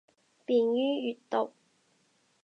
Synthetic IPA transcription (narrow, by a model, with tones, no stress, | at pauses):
piː˨njyː˥jyː˨tt̪o˨˩w